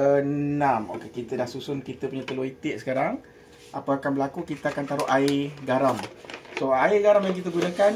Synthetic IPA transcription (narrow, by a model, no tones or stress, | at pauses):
ənamo̰kekit̪ədahsusʊnkit̪əpuɲãt̪əloit̪ɪʔ̚sə̥kaɾaŋ | ʔapaakanbəlakukit̪əakant̪aɾʊʔaiɡaɾamsoaɪɡaɾamjaŋk̬it̪̬əɡunakan